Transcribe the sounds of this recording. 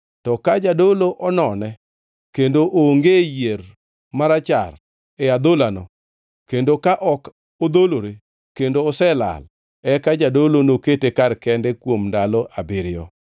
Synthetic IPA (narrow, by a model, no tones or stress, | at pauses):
tɔkad͡ʒadoloʔɔnɔnɛ | kendoʔoŋɡejeɾ | maɾat͡ʃa̰r | ɛad̪olano | kendokaʔɔk | od̪oloɾe | kendoːsɛla̰l | ɛkad͡ʒadolonoketekarkɛndɛkwomndalɔʔabɪɾɪjɔ̰